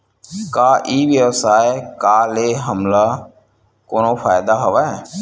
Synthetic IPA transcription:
kaːʔiːʋjəʋsaːekaːleːɦəmlaː | koːnoːpʰaːjɪd̪aːɦəʋaːɛː

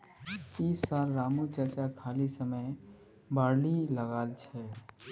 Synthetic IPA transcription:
iːsːaːlɾaːmut͡ʃət͡ʃakʰaːlisəməj | baːɾliləɡaːlt͡ʃʰɛ

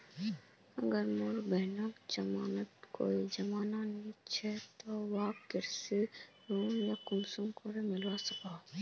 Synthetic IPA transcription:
ɐɡəɾmoɾbɛːnakd͡ʒɐmaːnət̪ko̰ːid͡ʒɐmaːnanɐɦĩt͡ʃʰɛt̪owaːkkːɪɾse | ɾuːmjakʊmsumkoɾemɪlwaːsɐkaː

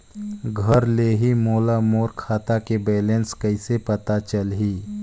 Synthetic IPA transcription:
ɡʱəɾleːɦimoːlamoːɾkʰaːt̪akebɛːlẽnskəɪsepɐt̪at͡ʃəlɦiː

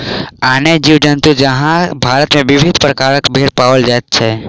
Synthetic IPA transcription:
aːned͡ʒiːʋd͡ʒənt̪ud͡ʒɐɦãbʱaːɾət̪mẽʋɪʋʱɪd̪ʱpɾəkaːɾəkbʱeɾpaːʋəld͡ʒaːt̪t͡ʃʰɛː

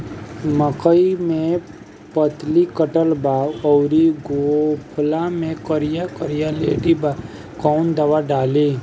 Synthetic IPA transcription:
məkəimẽ | pət̪likəʈəlbaːwɔːɾiɡopʰʊlamẽkəɾɪjakəɾijalḛːɖiba | kɔːnd̪ɐʋaɖaːliː

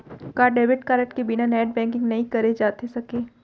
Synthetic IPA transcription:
kaːɾɖeːʋɪʈkaːɾəʈkebɪnanɛːʈ̚bɛ̃ːŋk̬ɪ̃ŋɡnɐɦĩkɐɾed͡ʒaːt̪esɐkeː

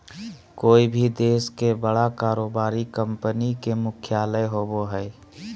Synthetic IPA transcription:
koːibʱid̪eːskebəɽakaːɾoːbaːɾikə̃mpənikemʊkʰjaːləjɦoboɦɛː

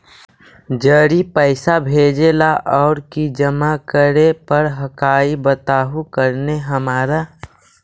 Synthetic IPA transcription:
d͡ʒəːɾipəɪsabʱeːd͡ʒelaʔɔːɾkid͡ʒəmakəɾepəɾɦəkaːibət̪aːɦukəɾneɦəmaːɾa

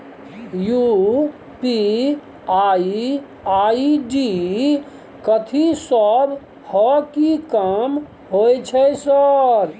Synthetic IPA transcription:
ju | pi | ai | aiɖi | kət̪ʰisəb | hɔkikam | ɦojt͡ʃʰɛsəɾ

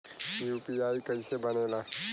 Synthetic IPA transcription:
juːpiaːikɐĩsebɐneːlaː

